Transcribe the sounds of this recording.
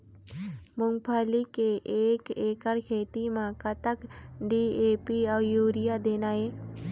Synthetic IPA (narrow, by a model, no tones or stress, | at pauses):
mʊ̃ŋɡpʰaːlikeʔeːkeːkəɽkʰeːt̪imãkət̪əkɖiːeːpiɔːjuːɾɪjad̪eːnaːɦeː